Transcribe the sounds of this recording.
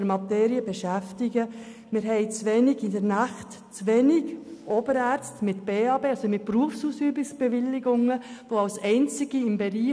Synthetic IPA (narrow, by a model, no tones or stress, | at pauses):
əɾmɑt̪ɛːɾiəbɛʃæftɪɡə | mɪɾɦɛɪt͡sʋɛnɪɡɪdəɾnæχt | t͡sʋɛnɪɡʔoːbəɾæːɾt͡stmɪtb̥eːɑːbeːɑsomɪt̚pɾuəfsuːsyːbɪksb̥ɛʋɪlːɪɡʊŋəʋoɑlsɛɪnt͡sɪɡ̥iɪmbɛɾiː